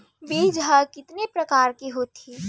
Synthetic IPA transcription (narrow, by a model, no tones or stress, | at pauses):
biːd͡ʒʱɦəkɪt̪nepɾəkaːɾkiɦot̪i